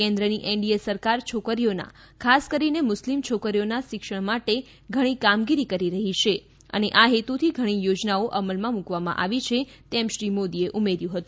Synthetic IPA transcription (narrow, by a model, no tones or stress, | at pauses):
kẽnd̪ɾəniʔɛɳɖiesəɾkaɾt͡ʃʰokəɾijona̰ | kʰaskəɾinemʊslimt͡ʃʰokəɾijonaʃɪkʃəɽ̃maʈe | ɡʱəɽ̃ikamɡiɾikəɾiɾəɦit͡ʃʰe | ə̰neʔaɦet̪ut̪ʰiɡʱəɽ̃ijod͡ʒnaoʔəməlmãmukʋamã̰ʔa̰ʋit͡ʃʰet̪ɛmʃɾimod̪ieʔumeɾjũɦət̪ũ